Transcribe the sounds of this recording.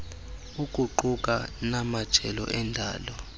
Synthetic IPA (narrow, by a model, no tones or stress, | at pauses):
ukʼuǃukʼanamad̥ʒ̥ʱɛlɔ̰ʔɛndʱaːlɔ